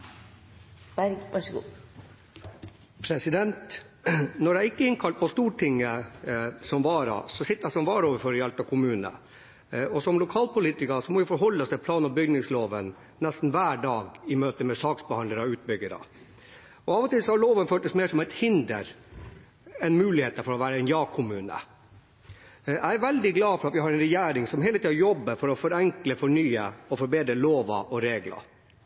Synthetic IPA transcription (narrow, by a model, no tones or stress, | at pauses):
b̥æɾɡɑʂɡṵː | pʰɾɛsɪd̪ɛnt̪ | nɔɖɛæɾɪkːəɪnkʰɑlt̪̚pʰɔst̪uːʈʰɪŋːə | sɔmʋɑːɾɑ̰sɔsɪt̪ːəæsɔmʋɑːɾɔːʋəɾfɔɾɪɑlt̪ɑʋkʰʊmʉːnə̰ | ɔsɔmlʊkʰɑːlpʊliːt̪ɪkɑsɔmɔʋɪfɔɾɦɔlːəst̪ʰɪlpʰlɑːnɔbʏɡnɪŋsloːʋən | nɛst̪n̩ʋæːɖɑːɡɪmøːt̪əmɛsɑːksbɛhɑnd̪əɾɔʉːt̪̚bʏɡəɾə̰ | ɔɑːʋət̪ʰɪlsɔhɑɭoːʋənføːʈəsmeːʂɔmæɪt̪hɪnd̪ə̰ɾ | ɛnmʉːlɪheːt̪əfɔɾɔʋæːɾəɛnjɑːkʰʊmʉːnə̰ | æɪæɾʋɛld̪ɪɡlɑːfɔɾɑt̪ʋɪhɑɾɛnɾɛjæːɾɪŋsɔmɦeːlət̪iːɑɾjɔbːəɾfɔɾɔfɔɾɛŋkləfɔɳyːəɔfɔɾbeːd̪ɾəloːʋɑ̰ʔɔɾeːɡlɑ̰